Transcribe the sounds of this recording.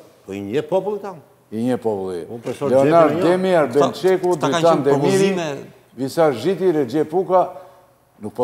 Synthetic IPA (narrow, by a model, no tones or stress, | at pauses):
pɔiɲəpɔpulˠit̪a | iɲəpɔpulˠḭɛ̰ɛʃɔlɛɔnaɾd̪ɛmiaɾbɛnt͡ʃɛkut̪visand̪ɛmiɾi | visaɾʒit̪iɾɛd͡ʒɛpuka | nuk̚pɔ